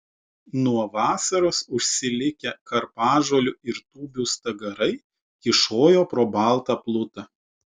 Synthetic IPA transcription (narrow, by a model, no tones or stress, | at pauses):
nuɔʋɑːsɐɾoːsʊʃʲsʲɪlʲɪkʲɛkɐɾpɑːʒoɔlʲʊɪɾt̪uːbʲuːst̪ɐɡɐɾɐɪ | kʲɪʃoːjoːpɾoːbɐˑlˠt̪ɑplˠʊt̪ɐ